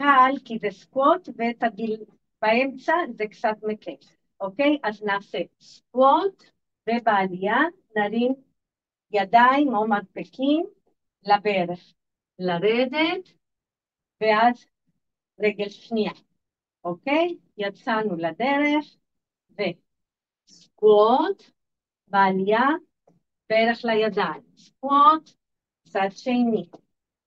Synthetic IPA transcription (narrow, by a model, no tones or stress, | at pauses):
kalkizeskwot̪vet̪aɡil | b̥aemt͡sazekt͡sat̪mekef | okejʔaznaːse | skwot̪ | vebaːlija | naɾim | jad̪aimomadpekim | labeɾeχ | laɾed̪et̪ | veaz | ʁeɡe̞lʃnia | ʔokej | jat͡sanulad̪eɾeχ | ve̞ | sɡuot̪ | baːlija | b̥eɾeχlajad̪aimsɡuot̪ | t͡sad̪ʃejni